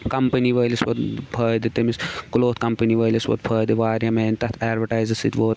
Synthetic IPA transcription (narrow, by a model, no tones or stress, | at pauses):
kɐmpɐniʋɐːlisʋɐd̪pʰɐːjd̪it̪imiskuloːt̪ʰkɐmpɐniʋɐːlisʋɐ̰t̪̚pʰɐːd̪iʋaːɾɐmeːnt̪ɐt̪ʰaːɾʋɐʈaːjzɐsḭt̪ʲʋoːt̪